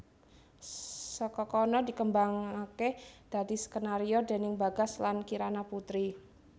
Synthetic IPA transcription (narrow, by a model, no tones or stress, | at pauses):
səkɔkɔnɔdi̤kəmbaŋaked̪̥a̤d̪̥i̤sə̥kənaɾiɔd̪e̤nɪŋbaɡa̤slankiɾanaput̪ɾi